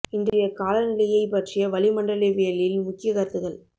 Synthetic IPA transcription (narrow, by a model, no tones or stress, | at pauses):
ɪndrɪjɐkaːlɐnɪlɐjɐɪpːɐʈrɪjɐʋɐlɪmɐɳɖɐlɐʋeːlɪlmʊkːɪjɐkɐɾt̪ːɯɣɐɭ